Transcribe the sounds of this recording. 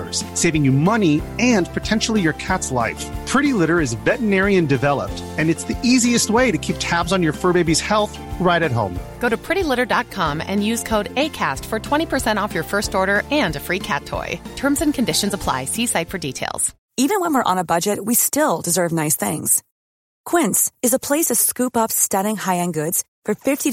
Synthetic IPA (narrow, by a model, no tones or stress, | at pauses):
ə˞z̥seɪvɪ̃ŋjɨmʌniɨ̃npʰɨtʰɛ̃nʃl̩ˠijə˞kʰætsla̰ɪfpʰɹ̥ɪɾilɪɾə˞ɨzvɛʔən̩ɛɹiɨ̃ndɨvɛlˠə̰p̚tɨ̃nɨtsðiiziɨst̚weɪɾɨkʰip̚tʰæbzn̩jə˞fɜ˞beɪbiz̥hɛlˠθ | ɹaɪɾɨt̚ɦõ̰ʊ̃mɡ̥oʊɾɨpʰɹ̥ɪɾilɪɾə˞dɑt̚kʰɑ̃mɨ̰̃njʉz̥kʰoʊɾeɪkʰæstfə˞tʰw̥ɛ̃ɾ̃ipʰə˞sɛ̃ɾ̃ɔfjə˞fɜ˞stɔɹɾə˞ɨ̃nɨfɹikʰæ̰tʰɔ̰ɪtʰɜ̃˞mzɨ̃nkʰɨ̃n̩dɪʃɨ̃n̩zəpʰl̥a̰ɪsisaɪtfə˞ditʰeɪlˠz̥ | ivɨ̃nwə̃nwɪɹʔə̰̃nəbʌd͡ʒɨt̚wistɪlˠdɨzɜ˞vnaɪsθɪ̰̃ŋz̥ | kʰw̥ɪ̃nsɨzəpʰl̥eɪsʌv̥skʉpʌpstʌɾɪ̃ŋhaɪɨ̃nɡʊdz̥ | fə˞fɪfti